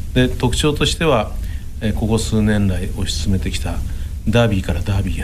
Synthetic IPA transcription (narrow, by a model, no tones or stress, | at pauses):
d̪e̞t̪o̞kɯ̟̥t͡ɕo̞ːt̪o̞ɕi̥t̪e̞βa | eko̞ɡo̞sɨːnẽ̞nɾaio̞ɕi̥st͡sɨme̞t̪e̞kʲi̥t̪a | d̪aːbʲiːkaɾad̪aːbʲiː